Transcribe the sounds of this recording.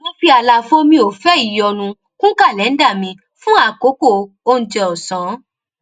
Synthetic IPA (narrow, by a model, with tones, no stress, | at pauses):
mõ˦fi˦a˧˨la˧fõ˦mĩ˧˦o˨fɛ˦i˦˨jɔ˨˧nũ˧ | kũ˦ka˦˨lɛ˨˦n̩˦da˦˨mĩ˧ | fũ˦a˦˨ko˨˦ko˦˨˧ | o˦˧n̩˦d͡ʒɛ˧ɔ˨sã˨˦